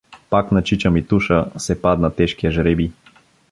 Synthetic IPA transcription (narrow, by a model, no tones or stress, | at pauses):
paknɐt͡ʃit͡ʃɐmit̪uʃəsɛpad̪nat̪ɛʃkiɛʒɾɛbi